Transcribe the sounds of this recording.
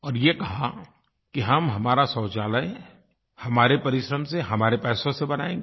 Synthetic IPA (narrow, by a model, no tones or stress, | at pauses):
ɔːɾjekɐɦa | kiɦɐmɦɐmaːɾasɔːt͡ʃaːlə | hɐmaːɾepɐɾɪʃɾəmseɦɐmaːɾepɛːsõsebɐnaːẽːŋɡː